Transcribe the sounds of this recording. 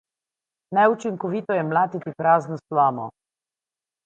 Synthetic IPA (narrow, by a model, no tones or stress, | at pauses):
najut͡ʃiŋkɔʋiːt̪ɔjɛmlaːt̪it̪ipɾaːznɔslaːmɔ̰